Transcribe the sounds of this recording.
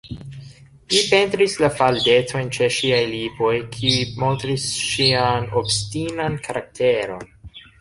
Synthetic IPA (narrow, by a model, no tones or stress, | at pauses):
lipe̞ntɾislafalde̞to̞jnt͡ʃe̞ʃiajlibo̞jkʰiimo̞ntɾisʃianobstinankʰaɾʔak̚tʰe̞ɾo̞̰n